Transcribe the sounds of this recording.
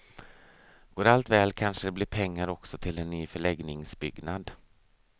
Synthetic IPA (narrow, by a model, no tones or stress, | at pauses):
ɡ̥oːɾalt̪vɛːlkʰanʂəd̪ɛblɪɾpʰɛŋːaɾɔksɔt̪ʰɪlɛnːyːfœɭɛɡnɪŋsbʏɡnad̪